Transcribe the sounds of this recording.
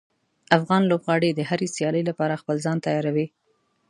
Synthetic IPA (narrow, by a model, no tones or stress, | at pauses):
afɣɑnlobɣɑɽed̪əɦaɾesjɑləjlapɑɾaxpəlzɑnt̪ajɑɾawi